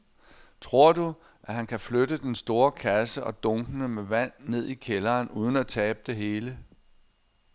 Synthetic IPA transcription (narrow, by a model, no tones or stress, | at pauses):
t͡sʰʁo̝ɐ̰d̥u | ʔæɦænkʰæflødəd̥ensd̥o̝ːɐkʰæsəʔɒ̽d̥ɔ̽ŋɡ̥ənəmeʋæn̰ːe̝ð̞̰ˠikʰelɐːnuːð̞ˠn̩æt͡sʰɛːb̥əd̥e̝ɦe̝ːlə